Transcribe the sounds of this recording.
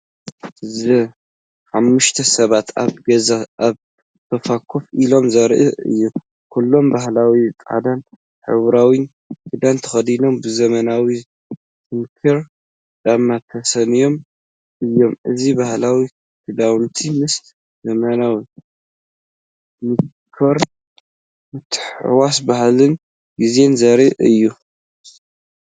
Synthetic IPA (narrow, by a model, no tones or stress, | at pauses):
zɨ | ħamːuʃt̪ʰɐsɐβat̪ʰa̰βɡɐzaʔaβ | t̪ʰɐfakʰːofʔilo̞mzɐɾʔɨɨ̰jːu | kʰulːo̞mbahlawitʼa̰d̪ɐn | ħɨ̰βɾawin | kkʰɨd̪ant̪ʰɐ̥xɐd̪ino̞mbɨzɐmɐnawi | t̪ʰɨmkʰɨɾ | d̪amːat̪ʰɐsɐnijo̞m | ʔɨjːo̞mʔɨzibahlawi | kʰɨd̪awnt̪ʰimɨs | zɐmanaw | mɨ | kʰoɾ | mɨt̪ʰːɨħwas̬bahlɨn | ɡize̞nzɐɾiʔɨjːu